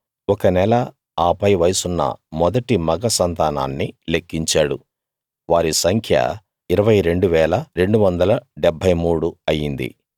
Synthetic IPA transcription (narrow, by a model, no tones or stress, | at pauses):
ɔkɐnɛlɐ | aːpɐjʋɐjsunːɐ̰mɔd̪ɐʈimɐɡɐsɐnt̪aːna̰ːnːile̞kːiɲt͡ʃaːɽu | ʋaːɾisɐŋkʰjɐ̰ | iɾɐʋɐjɾe̞ɳɖuʋɛːlɐɾe̞ɳɖuʋɐnd̪ɐlɐɖɛbʱɐjmuːɽuɐjːind̪ḭ